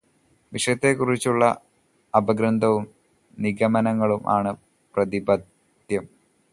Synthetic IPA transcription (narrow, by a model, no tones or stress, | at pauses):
ʋiʂɐjɐt̪ːekurit͡ɕːuɭːɐ | ɐbɐɡɾɐnd̪ʱɐʋum | niɡɐmɐnɐŋːɐɭumʔa̰ːɳɨ | prɐd̪ibɐd̪ | jɐm